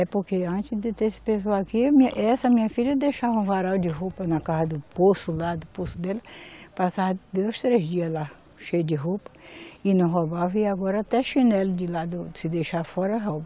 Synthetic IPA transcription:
ɛpoɾkeɐ̃t͡ʃɪzd̪ɪt̪esɪ̥pesoaakiɐmĩɐʔɛsɐmĩɲɐfiʎɐd̪ejʃavɐũvaɾawd͡ʒɪɦopɐnɐkazɐd̪ʊposʊlad̪ʊposʊd̪ɛlɐpasad̪ojst̪ɾezd͡ʒiɐzla | ʃejʊd͡ʒɪɦopɐ̥ɪnɐ̃ɦobavɐɪaɡɔɾɐat̪ɛʃĩnɛld͡ʒɪlad̪ʊsɪd̪ejʃaɾfɔɾɐɦobɐ

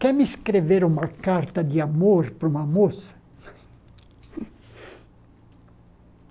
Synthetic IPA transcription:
kɛmiskɾeveɾumakaɾt̪ad̪iamoɾpɾumamos

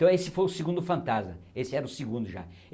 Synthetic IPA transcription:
t̪ɐ̃w̃esɪfojʊsɪɡũnd̪ʊfɐ̃nt̪azmɐesɪɛɾɐʊsiɡũnd̪ʊʒa̰

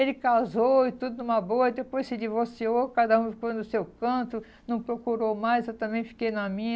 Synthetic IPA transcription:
elɪkazowɪt̪ud̪ʊnũmɐboɐd̪epojssɪd͡ʒivoɾsiokad̪ɐũfikɐ̃d̪ʊsewkɐ̃t̪ʊ | nɐ̃w̃pɾokuɾowmajzzewt̪ɐ̃mẽt͡ʃɪfi̥kejnɐmĩɲ

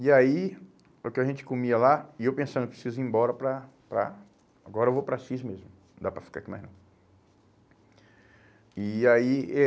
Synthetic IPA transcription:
iai | ʊkɪɐʒẽnt͡ʃɪ̥komiɐlaɪewpẽsɐ̃d̪pɾesizʊĩbɔɾɐpɾɐpɾɐ̰ | aɡɔɾɐewvopɾɐʃizmezmʊ̃ | d̪apɾɐfi̥kakima̰znɐ̃w̃ | iai

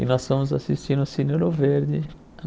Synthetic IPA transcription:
ɪ̰nɔsfõmʊzasist͡ʃĩnʊsineɾoveɾd̪ɪ

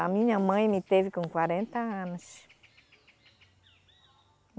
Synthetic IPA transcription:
amĩɲɐmɐ̃j̃mit̪evikõŋkwaɾẽnt̪ɐãnʊʃ

